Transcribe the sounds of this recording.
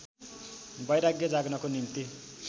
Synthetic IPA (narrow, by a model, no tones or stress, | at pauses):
bʌjɾaɡjʌd͡zaɡnʌkonimt̪i